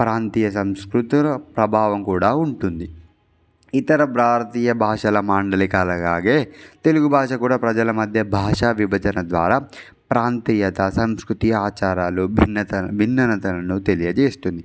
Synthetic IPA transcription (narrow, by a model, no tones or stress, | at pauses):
pɾaːnt̪iːjɐsɐmskɾut̪ɾɐpɾɐbʱaːʋɐmkuːɽaːuɳʈund̪i | it̪ɐɾɐbɾaːɾɐt̪iːjɐbʱaːʂɐlɐmaːɳɖɐlikaːlɐɡaːɡeːt̪e̞luɡubʱaːʂɐkuːɽaːpɾɐd͡ʒɐlɐmɐd̪ʱjɐbʱaːʂaʋibʱɐd͡ʒɐnɐd̪ʋaːɾaː | pɾaːnt̪iːjɐt̪ɐsɐmskɾut̪iaːt͡ʃaːɾaːlubʱnːɐt̪ɐbʱinːɐnɐt̪ɐlɐnut̪e̞lijɐt͡ʃeːst̪und̪i